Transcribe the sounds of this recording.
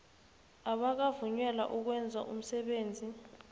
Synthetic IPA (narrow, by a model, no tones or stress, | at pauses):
aɓak̬avuɲwɛla̰ʔuk̬wɛnd͡zʱa̰ʔum̩sɛɓeːnd͡zʱi